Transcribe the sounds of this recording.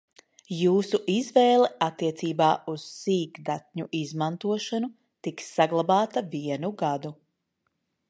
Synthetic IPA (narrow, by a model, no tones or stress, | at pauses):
juːsuʔizvɛːlˠɛat̪ːiɛt̪siːbaːʔuz̥siːɡd̪at̪̚ʲɲuʔizmant̪uɔʃanu | t̪iksːaɡlˠabaːt̪aviɛnuɡad̪u